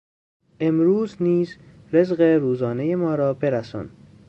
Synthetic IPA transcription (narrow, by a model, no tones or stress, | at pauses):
ʔe̞mɾuːzniːz | ɾe̞zɢe̞ɾuːzɒːneje̞mɒːɾɒːbe̞ɾæsɒ̰ːn